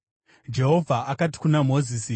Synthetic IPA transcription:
d͡ʒe̞ɦo̞vʱaʔakati̥kunamo̞zisi

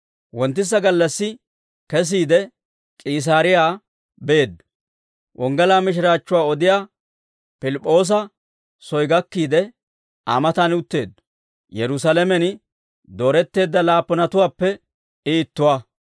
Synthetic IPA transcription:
wɔnt̪ːɪs̬ːɐɡɐlːɐsːɪ | kɛs̬iːd̪ɛ | kʼiːs̬aːɾɪjaː | be̞ːd̪ː | ʔɔŋɡɐlaːmɪʃ̬ɪɾaːt͡ʃːʊwaːɔd̪ɪjaː | pɪlɪpʼːo̞ːs̬ɐ | sɔjɡɐkːiːd̪ɛ | a̰mɐt̪ɐnʊt̪ːe̞ːd̪ː | jɛɾʊs̬alɛmɛn | d̪o̞ːɾɛt̪ːe̞ːd̪ːɐlaːpːɔnɐt̪ʊwaːpːɛ | ɪːt̪ːʊwaː

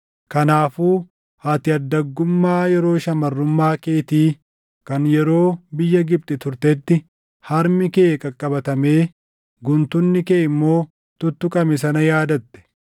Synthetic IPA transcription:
kɐnaːfuː | haːt̪ɪɐd̪ːɐɡːʊmːaːjɛɾo̞ːʃɐmɐrːʊmːaːkeːt̪iː | kɐnjɛɾo̞ːbɪjːɐɡɪb̚t̪ʼɪt̪ʊɾt̪ɛt̪ːɪ | hɐɾmɪkeːkʼɐkʼːɐbɐt̪ɐme̞ː | ɡʊnt̪ʊnːɪkeːʔɪmːo̞ː | t̪ʊt̪ːʊkʼɐmɛs̬ɐnɐjaːd̪ɐt̪ːɛ̥

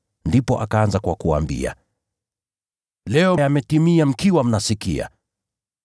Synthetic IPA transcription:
ndipɔʔakaanzakwakua̰mbḭa̰ | lɛɔjamɛtimiam̩kiwam̩nasikḭa̰

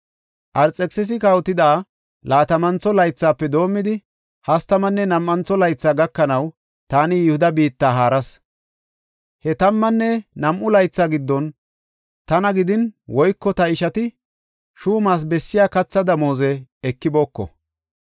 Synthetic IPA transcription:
ʔɐɾt͡sʼːɛksɪs̬ɪkɐwt̪ɪd̪aː | laːt̪ɐmɐnt͡sːɔlɐjt͡sːaːpːɛd̪o̞ːmːɪd̪ɪ | hɐst̪ɐmɐnːɛnɐmʔɐnt͡sːɔlɐjt͡sːaːɡɐkːɐnɐw | t̪aːnɪjɪhʊd̪ɐbiːt̪ːaːɦaːɾɐs | hɛt̪ɐmːɐnːɛnɐmʔʊlɐjt͡sːaːɡɪd̪ːɔn | t̪ɐnɐɡɪd̪ɪnwɔjkːɔt̪ɐɪʃɐt̪ɪ | ʃuːmaːs̬bɛsːɪjaːkɐt͡sːɐd̪ɐmoːzɛɛkːɪbo̞ːkːɔ̰

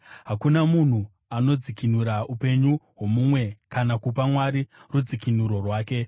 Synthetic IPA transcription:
ɦakunamun̤u | ano̞d͡zikinuɾaupe̞ɲuɦwo̞mumwe̞kanakup̬amwaɾirud͡zikinuɾo̞rwaːke̞

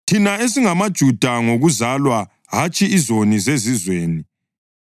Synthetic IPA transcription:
tʰinaes̬iŋamad̥ʒ̥ʱud̥ʱaŋoɣuzalwa | ɦat͡ʃʼiizonizezizweːni

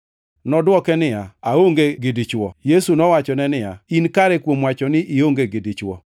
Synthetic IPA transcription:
nɔdwɔkɛnɪjaaoŋɡeɡɪdɪt͡ʃwɔjesunɔwat͡ʃɔnɛnɪja̰inkaɾɛkwomwat͡ʃɔnɪʔioŋɡeɡɪdɪt͡ʃwɔ̰

